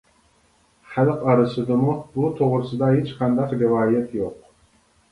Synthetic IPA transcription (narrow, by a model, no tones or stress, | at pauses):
χælqɑɾɨsɨd̪ɨmubut̪ʰoʁɾɨsɨd̪ɑhet͡ʃqʰɑnd̪ɑqɾivɑːjɛt̪ʰjoq